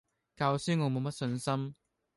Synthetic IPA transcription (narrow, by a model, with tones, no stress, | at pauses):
kaː˧wsyː˥ŋɔː˨˧mo˨˧wmɐ˥t̚sɵ˧nsɐ˥m